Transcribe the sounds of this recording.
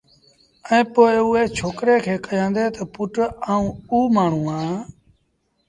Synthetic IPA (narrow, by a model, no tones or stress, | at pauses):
əɛ̃ːpoːɪuːeːt͡ʃʰoːkɾeːkʰeːkəjãːnd̪eːt̪opʊʈaːũːuːmaːɳ̤ũːãː